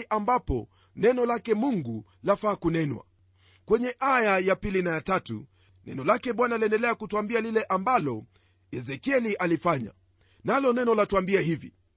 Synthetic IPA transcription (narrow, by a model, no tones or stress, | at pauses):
ʔambapɔ̰ | nɛnɔlakɛmuŋɡu | lafaːkunɛnwa̰ | kwɛɲɛʔajajapilinajatatṵ | nɛ̰nɔlakɛɓwanaliɛndɛlɛakutuambialilɛʔambalɔ | jɛzɛkiɛliʔalifaɲa̰ | nalɔnɛnɔlatuambiahivḭ